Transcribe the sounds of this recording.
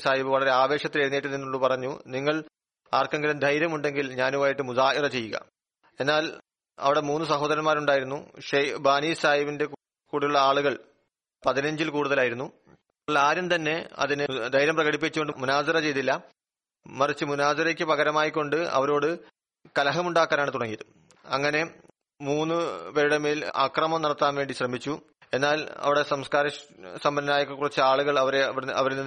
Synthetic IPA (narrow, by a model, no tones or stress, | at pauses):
saːjibɨʋɐɭɐɾe̞aːʋe̞ːʂɐt̪ːileɾunːijʈːɨninːoɭːupɐrɐɲːuniŋːɐɭ | aːrkɐŋɡɐlɐmd̪ʱɐjɾɐmuɳɖe̞ŋɡilɲaːnumaːjiʈːɨmuðaːʔirɐt͡ɕe̞jːuɣɐ̰ | e̞nːaːl | ɐ̰ʋiɽe̞muːnːɨsɐɦoːðɐɾɐnmaːɾuɳɖaːjiɾunːṵʂɐbaːniːsaːjibinde̞ | kuːɽijuɭːɐaːɭuɣɐɭ | pɐðinɐɲd͡ʑilkuːɽuðɐlaːjiɾunːu | ɐɭaːɾjɐmt̪ɐnːe̞ɐ̰ðinɨd̪ɐjɾɐmprɐɣɐɽipːit͡ɕːukoɳɖɨmunaːsɐɾɐt͡ɕe̞jt̪ːilːɐ | mɐrit͡ɕːɨmunaːsɐɾekʲːɨpɐɣɐɾɐmaːjikːo̞ɳɖɨɐ̰ʋɐɾo̞ːɽɨ | kɐlɐɦɐmuɳɖaːkːaːnaːɳɨt̪uɽɐŋːijɐðɨ | ɐŋːɐne̞ | muːnːɨʋeɾuɽɐmeːla̰krɐmɐmnɐɽɐt̪ːaːnʋe̞ːɳɖiɕrɐmit͡ɕːu | enːaːlɐ̰ʋiɽesɐmskaːɾɐsɐmbɐnːɐnaːjokːekːurit͡ɕːɨaːɭuɣɐɭɐʋɐɾɐ̰ʋɐɾlː